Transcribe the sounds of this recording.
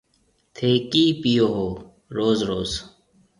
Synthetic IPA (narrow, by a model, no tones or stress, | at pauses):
t̪ʰeːkiːpijoɦoː | ɾoːzɾoːz